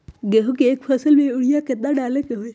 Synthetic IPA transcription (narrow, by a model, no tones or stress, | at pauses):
ɡeɦokeːk̚pʰəsəlmẽʊɽijaket̪̚aɖaːlekeɦoe